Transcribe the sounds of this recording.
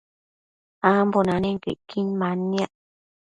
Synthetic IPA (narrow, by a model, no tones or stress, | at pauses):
ambonãnẽŋkḛʔkiɲmãnĩaʔ